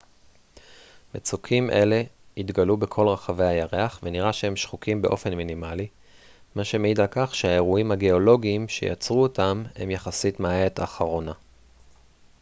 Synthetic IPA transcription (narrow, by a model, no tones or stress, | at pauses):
met͡sukʰimʔe̞le̞itɡalube̞kʰo̞lʁaχave̞jhajaʁe̞aχveniʁaʃehe̞mʃχukʰimbe̞ʔofe̞nminimali | maʃe̞meid̪lakaχʃeae̞ʁuimhaɡe̞o̞lo̞ɡiːmʃe̞̰ja̰t͡sʁuotamhḛmjaχasitmaːet̪aχaʁo̞na